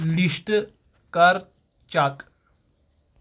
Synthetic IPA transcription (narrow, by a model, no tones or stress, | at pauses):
liʂʈ | kaɾ | t͡ɕak